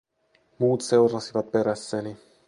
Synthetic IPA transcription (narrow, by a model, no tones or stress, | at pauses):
muːt̪se̞wrɑsiʋɑt̪̚pe̞ɾæsːeni